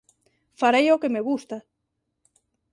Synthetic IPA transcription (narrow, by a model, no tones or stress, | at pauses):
faɾejokemeɣust̪a